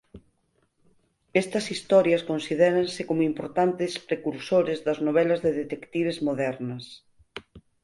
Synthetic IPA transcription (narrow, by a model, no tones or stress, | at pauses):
ɛst̪ɐsist̪ɔɾjɐskonsiðɛɾɐnsɪkomoimpoɾt̪ant̪ɪspɾekuɾsoɾɪzðɐznoβɛlɐzðeðet̪ekt̪iβezmoðɛɾnɐs